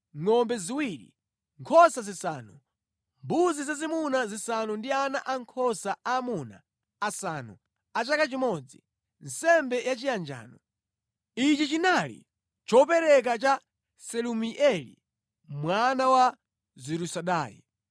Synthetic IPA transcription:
ŋɔmbɛziwiɾḭ | ŋkʰɔsazisaːnu | mbuzizazimunazisanundianaʔaŋkʰɔsaaːmuna̰ː | sanṵ | at͡ʃakat͡ʃimɔd͡zi | n̩sɛmbɛjat͡ʃijand͡ʒa̰ːnɔ | it͡ʃit͡ʃinalḭ | t͡ʃɔpɛɾɛk̬at͡ʃa | sɛlumiʔɛlḭ | mwanawa | ziɾusaɗaːjḭ

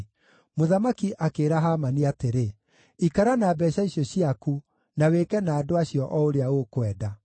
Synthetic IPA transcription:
moðamakiʔakeːɾaɦamaniateɾe | ikaɾanaːbɛːɕaiɕɔɕiaku | nawekɛnaːdoaɕjɔʔɔoɾeaokwɛːda

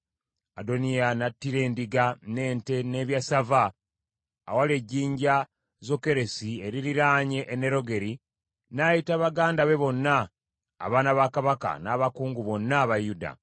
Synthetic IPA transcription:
ado̞nijanatːiɾe̞ːndiɡane̞ːnte̞ne̞ːβjasavaː | waleɟːiːɲɟa | zo̞ke̞ɾe̞sie̞ɾiɾiɾaːɲe̞ʔːneɾo̞ɡe̞ɾi | najitaβaɡaːndaβe̞βo̞nːa̰ː | βaːnaβakaβaka̰naβakuːŋɡuβo̞nːaβajuda̰

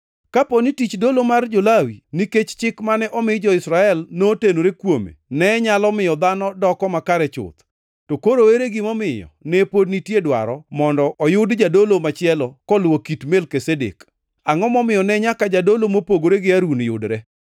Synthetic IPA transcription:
kaponitit͡ʃdolomard͡ʒolawiniket͡ʃt͡ʃɪkmanɛʔɔmɪd͡ʒɔɪsɾaɛlnotenoɾekwomḛnɛɲalɔmɪjɔd̪anɔdɔkɔmakaɾɛt͡ʃʊ̰t̪ | tokoɾoeɾeɡɪmɔmɪjɔ̰nɛpodnitjedwa̰ɾɔmɔndɔʔɔjʊdd͡ʒadolomat͡ʃɪɛlɔkɔlwokitmelkesedḛk | aŋɔmɔmɪjɔnɛɲakad͡ʒadolomopoɡoɾeɡɪaɾunjʊ̰dɾɛ

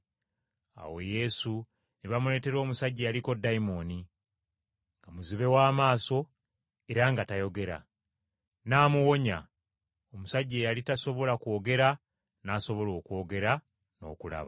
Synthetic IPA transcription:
a̰wo̞je̞su | niβamule̞te̞ɾo̞ːmusaɟːejaliko̞daimo̞ni | ŋɡamuziβe̞waːmaːso̞ | e̞ɾaŋɡatajo̞ɡe̞ɾa̰ | naːmuwo̞ɲa̰ | omusaɟːeːjalitaso̞βo̞lakwoɡe̞ɾa | naːso̞βo̞lo̞ːkwo̞ːɡe̞ɾa | no̞̰ːkula̰βa

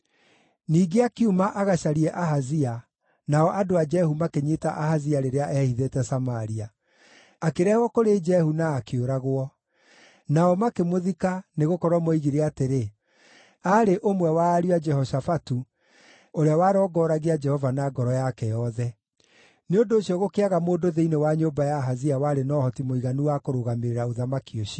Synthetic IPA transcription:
niːɡeakiumaʔaɣaʃaɾiɛʔaɦazia | naɔʔadoad͡ʒɛhumakeɲetaʔahaziaɾeɾeaʔɛhiðetɛsamaɾia | akeɾɛhwɔkoɾed͡ʒɛhunaːkeoɾaɣwɔ | naɔmakemoðikaneɣokɔɾwamɔiɣiɾeateɾe | aɾeʔomwɛwaːɾiad͡ʒɛhɔʃafatu | oɾeawaːɾɔːɡɔːɾaɣead͡ʒɛhɔvanaɡɔɾɔjakɛjɔðɛ | neondoːɕiɔɣokeaɣamoːdoðeinewaɲombajaɦaziawaɾenɔhɔtimoiɣanuwakoɾoɣameɾeɾaoðamakioʃi

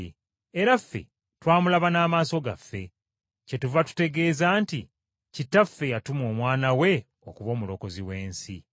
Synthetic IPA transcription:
eɾafːe̞̰ | twaːmulaβanaːmaːso̞ɡa̰fːe̞ | cetuvatu̥te̞ɡe̞ːzaːnti | citːafːe̞jatumo̞ːmwaːnawe̞ | o̞kuβo̞ːmulo̞ko̞ziwe̞ːnsḭ

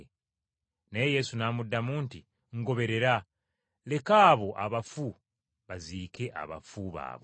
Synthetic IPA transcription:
neeje̞sunaːmudːamuːnti | ŋɡo̞βe̞ɾe̞ɾa | le̞kaːβo̞ʔaβafu | βaziːkʰe̞ʔa̰βa̰fuβa̰ːβo̰

